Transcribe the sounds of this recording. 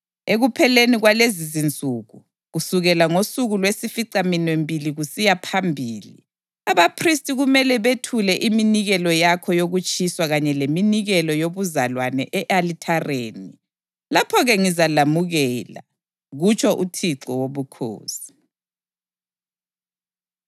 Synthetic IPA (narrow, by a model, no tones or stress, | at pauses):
eɣupʰɛleniɣwalezizint͡sʼuɣu | ɣusuɣɛlaŋosuɣulwesifiǀaminwembʱiliɣusijapʰambʱiːlḭ | aβapʰristʼiɣumɛlɛβetʰulɛʔiminiɣɛlɔjakʰɔjoɣut͡ʃʼiswaɣaɲɛleminiɣɛlɔjoβuzalwanɛ̰ʔɛʔalitʰareːni | lapʰɔɣɛŋizalamuɣɛla̰ | ɣut͡ʃʰʼɔʔutʰiǀɔwoβukʰo̰ːsi̥